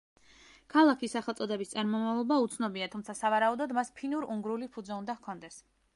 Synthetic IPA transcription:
kʰalˠakʰisaχɛlˠt̪sʼɔd̪ɛbist̪sʼaɾmɔmavlˠɔbaut̪sʰnɔbiat̪ʰumt̪sʰasavaɾaud̪ɔd̪maspʰinuɾuŋɡɾulipʰud̪zɛund̪ahkʰɔnd̪ɛs

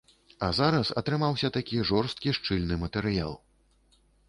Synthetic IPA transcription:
ɐzaɾɐsɐ̰t̪ɾɨmawsʲɐt̪akʲiʐɔrst̪̚kʲiʂt͡ʂɨlʲnɨmɐt̪ɛɾɨja̰lˠ

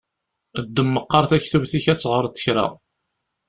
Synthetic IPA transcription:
əd̪ːəmːəqːɑɾθæçθuvθiçæt͡sːʁəɾˤt̪ːə̥çɾæ̰

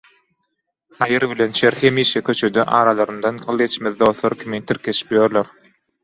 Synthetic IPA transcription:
hɑjɯɾβilenʃeɾhe̞miːʃekʲʰø̞t͡ʃʰø̞d̪øʔɑːɾɑlˠɑɾɯnd̪ɑnɢɯlˠɡe̞t͡ʃmeðd̪o̞ːθlˠoɾkʲʰimint̪ʰiɾkʰe̞ʃi̥pjoɾloɾ

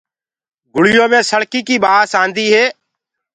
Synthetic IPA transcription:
ɡʊɽɪjõːmẽːsəɽkiːkiːɓaːsaːnd̪iːɦeː

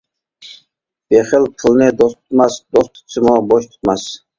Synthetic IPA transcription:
b̥eχɪlpʰɨlˠnɪd̪ost̪ʰʊ̥t̪mɑsd̪ost̪ʰʊ̥sʰɪmuboʃt̪ʰu̥t̪̚mɑs

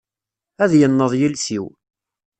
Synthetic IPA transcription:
æðjənːəðˤjilsiw

